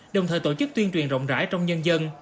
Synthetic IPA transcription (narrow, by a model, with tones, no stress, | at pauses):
ɗə˨˩wŋ͡mt̪ʰəː˨˩jt̪o˧˩t͡ɕɨ˦˥k̚t̪wi˧ənt͡ɕwi˨˩ənzə̰˧˨wŋ͡mza̰ː˧˥jt͡ɕɔ˧wŋ͡mɲə˧nzə˧n